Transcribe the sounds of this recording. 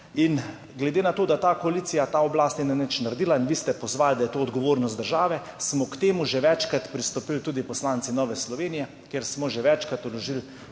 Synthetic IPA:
in | ɡlɛd̪eːnat̪oːd̪at̪aːkoaliːt̪sijat̪aːɔblaːst̪ninɛnɛt͡ʃnaɾɛd̪iːlainʋiːst̪ɛpɔzʋaːld̪ajɛt̪oːd̪ɡɔʋoːɾnɔsd̪əɾʒaːʋɛ | smɔkt̪eːmuʒɛʋɛt͡ʃkɾat̪pɾist̪ɔpilt̪uːd̪ipɔslaːnsinɔːʋɛslɔʋeːnijɛ | keɾsmɔʒɛʋɛt͡ʃkɾat̪ɔlɔʒil

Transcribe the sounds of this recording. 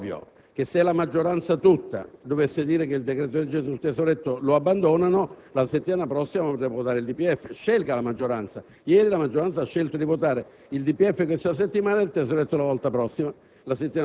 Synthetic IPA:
vjo̰ | k̟esɛlamad͡ʒːoɾant̪sat̪ut̪ːa̰d̪ovesːed̪iːɾekeild̪ekɾet̪od̪ed͡ʒeult̪esoɾet̪ːoloabːand̪oːnanolaset̪ːimaːnapɾɔsːimapt̪ːɛvot̪aːɾeild̪ipːiɛfːeʃːɛlkalamad͡ʒːoɾant̪sa | jɛːɾilamad͡ʒːoɾant̪saaʃːelt̪od̪ivot̪aːɾe | ild̪ipːiɛfːekwest̪as̬et̪ːimaːnailt̪esːoɾet̪ːolavɔlt̪apɾɔsːima | laset̪ːima

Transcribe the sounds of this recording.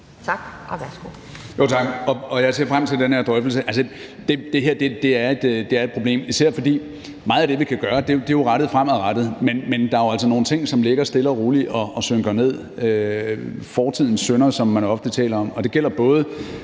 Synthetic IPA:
t͡sʰɑɡ̥sɡ̥o | jot͡sʰɑ̈ɡ̥ɒ̽ɒ̽jɑ̈ɪse̝ɐfʁam̰t͡sʰe̝ld̥enhæɐd̥ʁœfl̩səʔælsə | d̥e̝d̥e̝ɦeɐd̥e̝d̥e̝æɐe̝d̥d̥e̝æɐed̥̚pʰʁo̝b̥le̝̰ːmisæɐ̰fɒ̽d̥ḭː | mɑ̈ːð̩ˠæd̥e̝ʋikʰæɡ̥ɶːɐd̥e̝jd̥e̝jo̝ʁɑɾ̥ð̩ˠfʁam̰æʁɑd̥ð̩ˠmenmend̥ɑ̈æɐjoæl̰s̬ɒno̝ːn̩t͡sʰe̝ŋ̰sɒ̽mle̝ɡ̥ɐsd̥e̝lɐʁuːliʔɒ̽ɒ̽søŋɡ̥ɐne̝ð̞̰ˠ | ø | fɒːt͡sʰið̰ˠn̩sønɐsɒ̽mːænɒ̽fd̥ət͡sʰɛ̰ːlɐɒ̽mɒ̽d̥e̝ɡ̥el̰ɐb̥ɔ̽ːð̞ˠə

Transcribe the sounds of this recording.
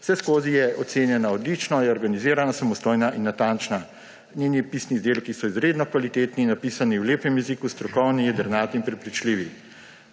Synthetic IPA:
w̥sɛskoːzijɛʔɔt̪seːnjɛnaɔd̪lit͡ʃnɔjɛɔɾɡaniziːɾanasamɔst̪oːjnaʔinːat̪ant͡ʃna | nenipiːsnizd̪eːlkisɔizɾeːd̪nɔkʋalit̪eːt̪ninːapisaniwleːpɛmjɛzikust̪ɾɔkɔwnijɛd̪əɾnaːt̪inpɾɛpɾit͡ʃliːʋi

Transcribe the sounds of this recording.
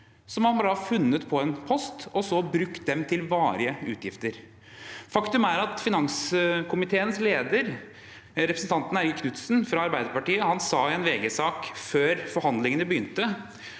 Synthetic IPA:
sɔmhɑnbɑːɾəhɑfʉnːət̪pʰɔɛnpʰɔst̪ɔsɔbɾʉkt̪̚d̪ɛmt̪ʰɪlʋɑːɾɪəʉ̰ːt̪ʰjɪft̪əɾ | fɑkt̪ʉmæɾɑt̪fɪnɑŋskʰʊmɪt̪ʰeːənsleːd̪əɾ | ɾɛpɾəsn̩t̪ʰɑnt̪n̩æɾɡəkʰnʉt̪snfɾɑɑɾbæɪd̪əɾpɑʈiːəhɑnsɑːɪɛnʋeːɡəsɑːkføːɾfɔɾhɑnd̪lɪŋənəbəjʏnt̪ə

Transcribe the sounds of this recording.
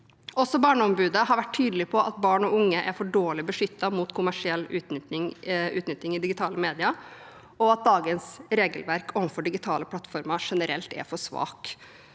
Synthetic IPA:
ʔɔsɔbɑːɳəɔmbʉːd̪əhɑɾʋæʈʰːyːd̪əlɪpʰɔʔɑt̪̚bɑːɳɔʊŋːəʔæɾfɔɖoːɭɪbəʂʏt̪ːɑmuːt̪kʰʊmæʂɪɛlːʉːt̪nɪŋʉːt̪nʏt̪ːɪŋɪd̪ɪɡɪt̪ʰɑːləmeːd̪ɪɑ | ɔɑt̪̚d̪ɑːɡənsɾeːɡəlʋæɾkʰɔmfɔɖɪɡɪt̪ʰɑːləpʰlɑt̪fɔɾmɑʂɛnəɾɛlt̪ɛ̰ɾfɔʂʋɑ̰ːk

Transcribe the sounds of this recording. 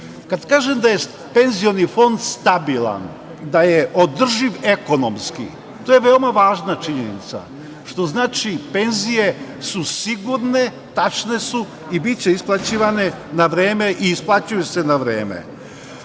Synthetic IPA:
kad̪kaːʒemd̪aje̞ | pe̞nzijo̞nifo̞nd̪st̪abilˠa̰n | d̪ajeʔod̪r̩ʒiʋeko̞nomskḭ | t̪oje̞ʋe̞omaʋaːʒnat͡ʃiɲenḭt̪sa̰ | ʃt̪o̞znaːt͡ʃipe̞nzije̞susiɡuɾne̞ | t̪at͡ʃne̞su | ibitt͡ɕeisplˠat͡ɕiːʋane̞ | naʋɾeːme̞ʔiːsplˠat͡ɕujusenaʋɾeːmḛ

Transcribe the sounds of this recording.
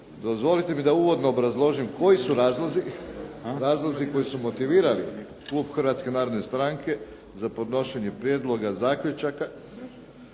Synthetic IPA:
d̪ozʋo̞lit̪e̞mid̪auːʋo̞d̪no̞ːbɾazlˠo̞ʒimko̞jisuɾaːzlˠo̞zi | ɾaːzlˠo̞ziko̞jisumo̞t̪iʋiːɾalḭ | kluːbxr̩ʋat̪ske̞naːɾo̞d̪ne̞st̪ɾaŋke̞ | zapo̞d̪no̞ʃe̞ɲe̞pɾjed̪lˠo̞ɡazaːkʎʲut͡ʃaka

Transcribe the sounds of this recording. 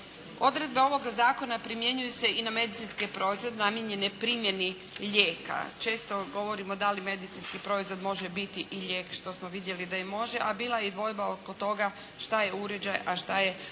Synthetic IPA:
o̞d̪ɾe̞d̪̚be̞o̞ʋo̞ɡazaːko̞napɾimje̞ɲujuse̞iname̞d̪it̪inskipɾo̞izʋo̞d̪enamjeɲe̞nepɾiːmje̞ni | ʎeːka̰t͡ʃe̞ːst̪o̞ɡo̞ʋo̞ɾimo̞d̪alime̞d̪it̪sinskipɾo̞izʋo̞d̪mo̞ʒebit̪iʔiʎe̞ːkʃt̪o̞smoʋid̪je̞lid̪aimːo̞ʒe̞ʔabiːlˠajed̪ʋo̞jbaokot̪o̞ɡa | ʃt̪ajeuɾe̞d͡ʑajaʃt̪aje̞

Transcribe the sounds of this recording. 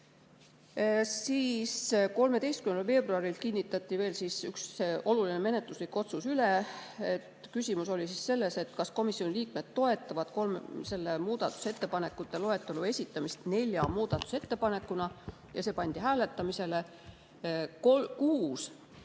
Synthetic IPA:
siːsko̞lme̞d̪e̞jst̪kymnd̪ɑlve̞ːb̥ruɑɾilkinʲːit̪ːˑɑt̪ːˑive̞ːlsisyksʔo̞lulineme̞ne̞t̪ˑluslikːo̞t̪susyleet̪kysʲimuso̞lʲisisːe̞lːe̞se̞t̪kɑsko̞misio̞niliːk̚me̞d̪̥t̪ːo̞e̞t̪ˑːɑvɑd̪̥ko̞lmse̞lːemuːd̪̥ɑt̪ːˑu̥se̞t̪ːe̞pɑne̞kːˑut̪ːˑe̞lo̞e̞t̪ːˑelue̞sʲit̪ˑːɑmist̪ne̞lʲjɑmuːd̪̥ɑt̪ːˑu̥se̞t̪ːe̞pɑne̞kːˑunɑ | jɑse̞ːpɑnʲd̪̥iɦæːle̞t̪ːˑɑmise̞le | kokuːs

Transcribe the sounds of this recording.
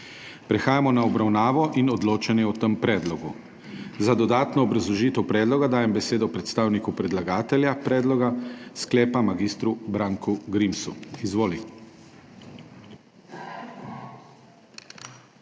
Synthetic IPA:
pɾɛxaːjamɔnaɔbɾawnaːʋɔʔinɔd̪loːt͡ʃanjɛɔt̪əmpɾɛːd̪lɔɡu | zad̪ɔd̪aːt̪nɔːbɾazlɔʒit̪ɛwpɾɛːd̪lɔɡad̪aːjɛmbɛseːd̪ɔpɾɛt̪st̪aːwnikupɾɛd̪laɡaːt̪ɛljapɾɛːd̪lɔɡasklɛːpamaɡist̪ɾubɾaːŋkʰuɡɾimsṵizʋoːli

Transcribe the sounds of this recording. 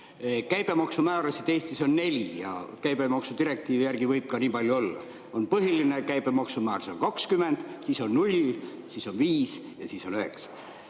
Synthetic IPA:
kæjb̥e̞mɑksumæːɾɑsit̪e̞ːst̪iso̞nːe̞lʲijɑ̰kæjb̥e̞mɑksut̪iɾe̞k̚t̪iːvijærɡ̥ivɤjb̥̚kɑniːpɑlʲjuo̞lːɑ̰ | o̞npɤɦiline̞kæjb̥e̞mɑksumæːɾsonkɑkskyme̞nd̪̥siːso̞nnulʲ | siso̞nviːs | jɑsiːso̞nøhe̞̰ksɑ̥

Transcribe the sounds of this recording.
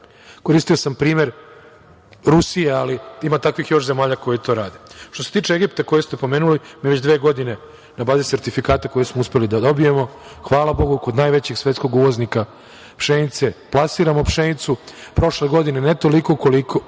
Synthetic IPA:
ko̞ɾist̪iosampɾiːme̞ɾ | ɾusijealiimat̪akʋixjo̞ʃze̞maːʎako̞jet̪ʰo̞ːɾaːd̪et̪ose̞t̪iːt͡ʂeeɡipt̪ako̞jest̪epo̞me̞ːnulimiʋet͡ɕd̪ʋeːɡo̞d̪ine̞ | nabaːzise̞ɾt̪ifikaːt̪ako̞jesmouspelid̪ad̪o̞bije̞mo̞xʋaːlabo̞ɡuko̞d̪naːjʋe̞t͡ɕeɡsʋet̪ko̞ɡuʋoznika | pʃenit̪se̞plˠasiːɾamo̞pʂenit̪supɾo̞ʃle̞ɡo̞d̪inenet̪o̞likoko̞likʰo

